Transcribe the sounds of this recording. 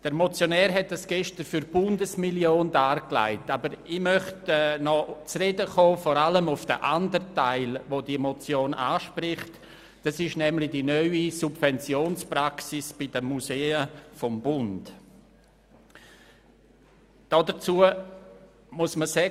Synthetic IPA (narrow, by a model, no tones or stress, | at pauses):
d̥əɾmɔt͡sjonɛːɾɦɛt̚dasɡ̥ɛʃtəɾfyɾb̥ʊndəsmiljoːndaːɾkla̰ɪtabəɾɪmœχtɛːnɔt͡sredəχoːfɔɾaləmʊfd̥ə̰ʔandəɾtaɪlvodimɔt͡sjoːna̰ːʃpɾɪχt | d̥asɪʃnɛmlɪdinœʏisub̥vɛnt͡sjoːnspɾaksisb̥ɪd̥əmːuseːəfɔmbʊnd | d̥ɔdət͡suə | muəsməsɛ